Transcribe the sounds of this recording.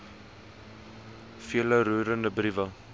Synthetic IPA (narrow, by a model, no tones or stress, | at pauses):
fiələɾuːɾəndəbrivə